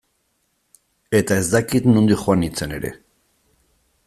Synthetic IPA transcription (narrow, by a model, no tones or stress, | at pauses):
e̞t̪ae̞zd̪akit̪nund̪ixoanit͡se̞ne̞ɾe̞̰